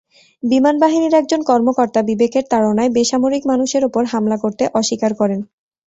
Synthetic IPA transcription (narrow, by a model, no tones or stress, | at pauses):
bimanbaɦiniɾɛk̚d͡ʑonkɔɾmokɔɾt̪abibekeɾt̪aɽonaebeʃamoɾikmanuʃeɾopoɾɦamlakoɾt̪eʔɔʃikaɾkɔɾen